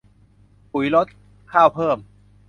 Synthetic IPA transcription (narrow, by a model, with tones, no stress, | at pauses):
pu˩˦jlo˦˥t̪̚ | kʰaː˥˩wpʰɤː˥˩m